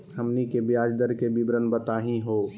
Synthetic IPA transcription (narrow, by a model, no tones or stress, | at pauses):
ɦəmnikebjaːd͡ʒd̪əɾkebibɾənbət̪aːɦĩɦoː